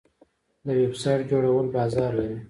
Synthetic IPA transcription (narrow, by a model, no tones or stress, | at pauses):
d̪əwebsɑjʈd͡ʒoɽawəlbɑzɑɾlaɾi